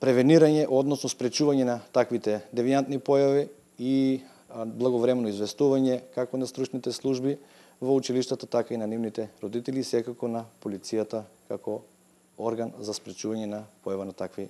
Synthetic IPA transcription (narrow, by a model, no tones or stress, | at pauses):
pɾɛvɛniɾaɲɛʔɔd̪nɔsnospɾɛt͡ʃuvaɲɛnat̪akvit̪ɛd̪ɛviant̪nipɔjavi | i | blˠaɡovɾɛmɛnɔizvɛst̪uvaɲɛkakonast̪ɾut͡ʃnit̪ɛslˠuʒbi | vout͡ʃiliʃt̪at̪at̪akainanivnit̪ɛɾod̪it̪ɛlisɛkakonapolit̪sijat̪akakɔ | oɾɡanzaspɾɛt͡ʃuvaɲɛnapɔjavanat̪akvi